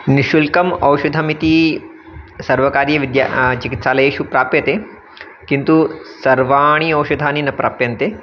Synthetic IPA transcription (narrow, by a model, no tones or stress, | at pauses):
niʃulkɐmɐwʃud̪ʱɐmit̪i | sɐɾʋɐkaːɾjɐʋid̪ja̰t͡ʃikit̪ʃaːlɐjeːʃupɾaːpjɐt̪eː | kint̪usɐɾʋaːɳ̃iɐwʃɐd̪ʱaːninɐpɾaːpjɐnt̪eː